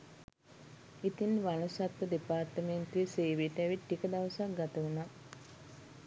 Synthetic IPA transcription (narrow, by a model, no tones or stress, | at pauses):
it̪inʋanusat̪ːəd̪epaːrʈəment̪uʋeseːʋiʈæʋiʈːikəd̪aʋəsak̚ɡat̪əuna